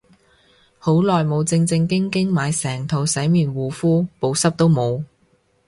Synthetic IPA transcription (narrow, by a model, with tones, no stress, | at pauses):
ho˨˥wlɔː˨jmo˨˧wt͡sɪ˧ŋt͡sɪ˧ŋkɪ˥ŋkɪ˥ŋmaː˨˧jsɛː˨˩ŋt̪ʰo˨˧wsɛ˨˥jmiː˨nwuː˨˩fuː˥po˨˧wsɐ˥p̚t̪o˥wmo˨˧w